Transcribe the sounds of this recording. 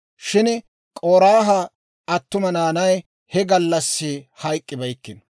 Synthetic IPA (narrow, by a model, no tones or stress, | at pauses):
ʃɪn | kʼoːɾaːɦɐ | ɐt̪ːʊmɐnaːnɐj | hɛɡɐlːɐsːɪhɐjkʼːɪbɐjkːɪn